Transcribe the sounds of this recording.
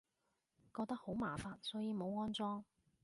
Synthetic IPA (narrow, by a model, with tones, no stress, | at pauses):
kɔː˧k̚t̪ɐ˥k̚ho˨˥wmaː˨˩faː˨˧nsɔː˨˥jiː˨˧mo˨˧wŋɔː˥nt͡sɔː˥ŋ